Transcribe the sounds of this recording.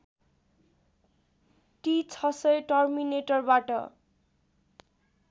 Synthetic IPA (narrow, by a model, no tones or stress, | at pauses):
ʈit͡sʰʌsʌjʈʌrmineʈʌrbaʈʌ̰